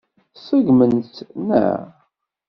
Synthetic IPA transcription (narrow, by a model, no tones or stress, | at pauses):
səɡmənt̪næ̰